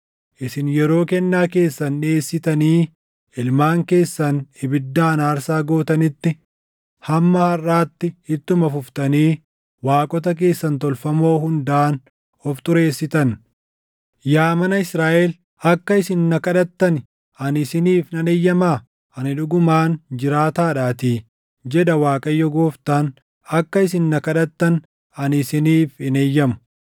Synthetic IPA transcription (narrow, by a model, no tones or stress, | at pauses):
ʔɪsɪnjɛɾo̞ːkɛnːaːke̞ːsːɐnᶑe̞ːsːɪt̪ɐniː | ɪlmaːŋke̞ːsːɐnɪbɪd̪ːaːnaːɾsaːɡo̞ːt̪ɐnɪt̪ːɪ | hɐmːɐhɐrːaːt̪ːɪhɪt̪ːʊmɐfʊft̪ɐniː | waːkʼɔt̪̬ɐk̬e̞ːsːɐnt̪ɔlfɐmo̞ːhʊnd̪aːn | ɔft̪ʊɾe̞ːsːɪt̪ɐn | jaːmɐnɐɪsɾaːʔɛl | ɐkːɐɪsɪnːɐkɐᶑɐt̪ːɐn | ɐnɪsɪniːfnɐnejːɐmaː | ʔɐnɪᶑʊɡʊmaːnd͡ʒɪɾaːt̪aːᶑaːt̪iː | d͡ʒɛᶑɐwaːkʼɐjːɔɡoːft̪an | ɐkːɐɪsɪnːɐkɐᶑɐt̪ːɐn | ɐnɪsɪniːfɪneːjːɐmʊ̥